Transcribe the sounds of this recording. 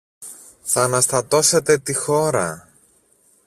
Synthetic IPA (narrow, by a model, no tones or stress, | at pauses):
θɐːnɐst̪ɐt̪o̞se̞t̪e̞t̪ixo̞ɾɐ